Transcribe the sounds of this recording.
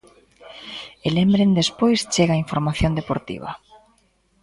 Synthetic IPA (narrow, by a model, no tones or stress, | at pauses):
elembɾend̪espojst͡ʃeɣaiɱfoɾmaθjond̪epoɾt̪ḭβ̞a̰